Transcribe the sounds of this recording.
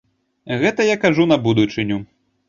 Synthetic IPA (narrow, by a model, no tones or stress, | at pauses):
ɣɛt̪ɐjakaʐunɐbud̪ut͡ʂɨnʲu